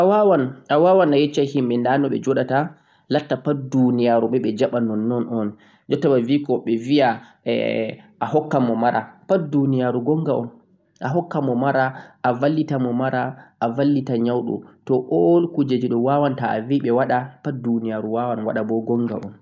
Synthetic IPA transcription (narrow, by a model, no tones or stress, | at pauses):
ʔawawanʔawaːwanajɛt͡ʃːahimɓɛndanɔɓɛ̰d͡ʒɔɗata | latːapat̚dunijaɾuɓɛɓɛd͡ʒaɓanɔnːɔnɔn | d͡ʒɔtːabaviːkɔɓɛvia | ɛ̰ʔahɔkːamɔmaɾapatdunijaɾuɡɔŋɡaʔɔn | ʔaɦɔkːamɔmaɾaʔːvalːitamɔmaɾaʔavalːitaɲawɗɔ̰tɔʔɔlkud͡ʒed͡ʒiɗɔwawantaa̰viɓɛwaɗapat̚dunijaɾuwawanwa̰ɗabɔɡɔŋɡa̰ʔɔ̰n